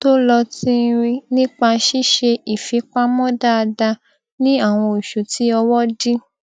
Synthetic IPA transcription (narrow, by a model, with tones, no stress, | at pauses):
to˦lɔ˧tĩ˦˧ɾĩ˧nĩ˦k͡pa˧ʃi˦ʃe˧i˨fi˨˦k͡pa˦mɔ̃˦da˦a˧da˧ | nĩ˦a˦˨w̃ɔ̃˧i˨ʃu˨ti˨˦ɔ˧wɔ˦di˦